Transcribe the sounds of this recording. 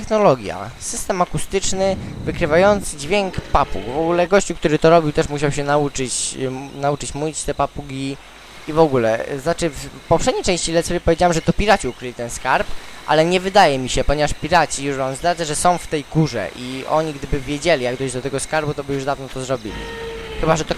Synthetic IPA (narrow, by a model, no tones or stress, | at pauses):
ɛxnɔlɔɡʲja̰sɘst̪ɛmakust̪ɘt͡ʂnɘvɘkɾɘvajɔnt̪sɘd͡ʑvʲjɛŋkpapṵɡvɔɡulɛɡɔɕt͡ɕukt̪uɾɘt̪ɔɾɔbʲiwt̪ɛʂmuɕawɕɛnaut͡ʂɘt͡ɕnaut͡ʂɘt͡ɕmuit͡ɕt̪ɛpapuɡʲi | ivɔɡulɛ̰znat͡ʂɘfpɔfʂɛd̪ɲejt͡ʂɛ̃ɕt͡ɕilɛt̪sɛvʲepɔvʲjed͡ʑawamʐɛt̪ɔpʲiɾat͡ɕiukɾɘlʲit̪ɛnskaɾpʔa̰lɛɲɛvɘd̪ajɛmʲiɕɛpɔɲɛvaʂpʲiɾat͡ɕijuʂvamzd̪ɾadzaʐɛsɔ̃w̃ft̪ɛjɡuʐɛ̰ʔiɔ̰ɲiɡd̪ɘbɘvʲjed͡ʑelʲijaɡd̪ɔɕd͡ʑd̪ɔt̪ɛɡɔskaɾbut̪ɔbɘjuʐd̪avnɔt̪ɔzɾɔbʲḭlʲḭxɘbaʐɛt̪ɔ